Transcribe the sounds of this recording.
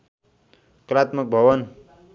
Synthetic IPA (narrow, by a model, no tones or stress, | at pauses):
kɾat̪mək̚bʱʌwʌn